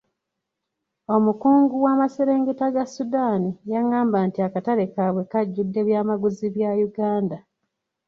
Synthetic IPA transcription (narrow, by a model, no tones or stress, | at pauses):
o̞mukuːŋɡuwaːmaseɾeːŋɡetaɡasudaːnijaŋaːmbantiakatalekaːβwe̞kaɟːudːe̞βjaːmaɡuziβjajuɡaːnda